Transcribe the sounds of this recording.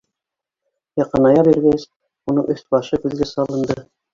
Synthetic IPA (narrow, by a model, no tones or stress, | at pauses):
jɑqɤ̆nɑjɑbiɾɡæs | unɤɴʔɵ̆θbɑʃɤkʉðɡæsɑlˠɤ̆nd̪ɤ